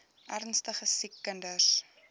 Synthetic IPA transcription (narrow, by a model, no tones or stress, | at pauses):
ʔærnstəχəsikːəndəs